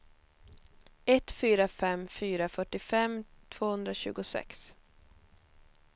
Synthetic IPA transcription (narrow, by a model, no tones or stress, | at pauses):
ɛt̪fyːɾafɛmfyːɾafœʈːɪfɛmt̪ʰv̥oːhɵnd̪ɾaɕʉ̟ːɡʊsɛ̰ks